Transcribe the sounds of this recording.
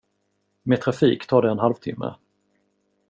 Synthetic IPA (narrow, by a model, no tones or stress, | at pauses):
meːt̪ʰɾafiːkt̪ʰɑːɖ̪ɛɛnɦalvt̪ʰɪmːə̰